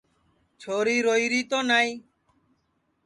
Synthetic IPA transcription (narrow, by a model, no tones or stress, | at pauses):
t͡ʃʰoːɾiːɾoːiːɾiːt̪oːnaːiː